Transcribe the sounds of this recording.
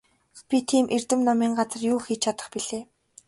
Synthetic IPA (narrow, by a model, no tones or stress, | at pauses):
pʲit̪ʰiːmʔer̥t̪ɘ̆mnɔmiːŋɢat͡sə̆rjuːxit͡ɕʰat̪ə̥̆χpiɮeː